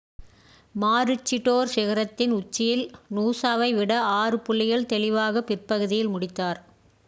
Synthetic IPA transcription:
maːɾɯt͡ʃːɪʈːoːɾsɪɣɐɾɐt̪ːɪnʊt͡ʃːɪjɪlnuːsaːʋɐɪʋɪɽɐaːrɯpʊɭːɪjɐɭt̪ɛlɪʋaːɣɐpɪrpɐɣɯðɪjɪlmʊɽɪt̪ːaːɾ

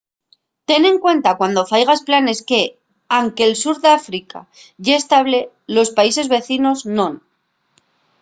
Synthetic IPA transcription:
t̪e̞ne̞ŋkwe̞nt̪akwand̪o̞fajɣ̞asplane̞ske | aŋke̞ːlsuɾðeafɾika̰ | ʝeest̪aβle̞ | lo̞spaise̞zβe̞θino̞znõ̞n

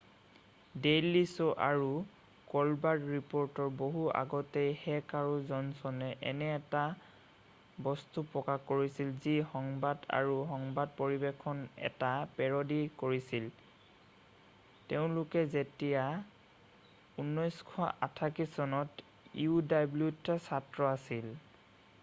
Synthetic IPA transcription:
delisɔʔaɹu | kɔlbadɹipɔɹtɔɹboɦua̰ɡɔtejhɛkaɹuzɔnsɔnɛʔɛnɛːta | bɔstupɹɔkakːoɹisilzixɔŋbada̰ɹuxɔŋbad̚poɹibekʰɔnɛ̰tapɛɹɔdikoɹisil | teʊ̃lʊkɛzetija | unːɔjskʰɔʔa̰tʰakisɔnɔt | ḭudajblutːasatɹɔasil

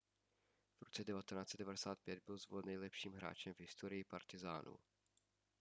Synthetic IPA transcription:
v̥ɾot͡sɛdɛvat̪ɛnaːt͡sɛtdɛvadɛsaːt̪̚pjɛd̪̚bɪlzvolɛnːɛjlɛpʃiːmɦɾa̰ːt͡ʃɛmvɦɪst̪oɾɪjɪpaɾt̪ɪza̰ːnʔṵ

